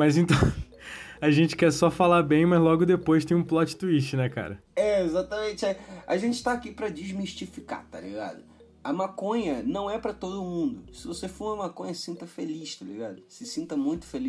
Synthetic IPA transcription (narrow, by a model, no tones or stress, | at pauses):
mɐjzẽnt̪ɐ̃w̃ | ɐʒẽnt͡ʃɪ̥kɛsɔfalabẽj̃mɐzlɔɡʊd̪epojʃt̪ẽj̃ũplɔt͡ʃɪ̥t̪uiʃt͡ʃɪnɛka̰ɾɐɛezat̪ɐmẽt͡ʃɪaɐ̰ʒẽt͡ʃɪ̥t̪aːkipɾɐd͡ʒiʒmiʃt͡ʃifika̰t̪a̰lḭɡa̰d̪ʊ | ɐmakõɲɐnɐ̃w̃ɛpɾɐt̪od̪ʊːmũnd̪ʊsɪvosefumɐmakõɲɐssĩnt̪ɐfeliʃt̪alḭɡad̪ʊsɪsĩnt̪ɐmũj̃t̪ʊ̥feli